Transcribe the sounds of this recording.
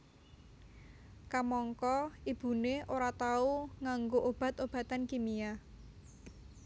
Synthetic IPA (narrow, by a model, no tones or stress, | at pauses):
kamɔŋkɔib̥ṳneoɾat̪auŋaŋɡoʔob̥a̤t̪ob̥ä̤t̪ankimija